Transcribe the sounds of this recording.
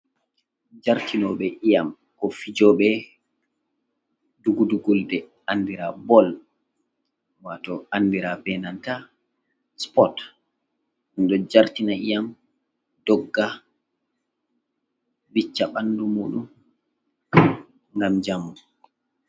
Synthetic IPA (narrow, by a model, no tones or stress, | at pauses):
d͡ʒaɾtʰinɔɓɛʔijam | kɔfid͡ʒɔɓɛ | duɡuduɡuldɛ | ʔanːdiɾabɔl | watɔandiɾabɛnanta | spɔt | nɗɔd͡ʒaɾtinaijam | d̥ɔɡːa | bit͡ʃːaɓanːdumuːɗum | ŋɡamd͡ʒamːu